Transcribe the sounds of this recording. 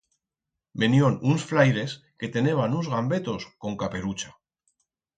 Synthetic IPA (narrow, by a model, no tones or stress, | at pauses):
me̞njo̞nunsflajɾe̞s | ke̞t̪e̞ne̞β̞anuzɣambe̞t̪o̞sko̞ŋkape̞ɾut͡ʃa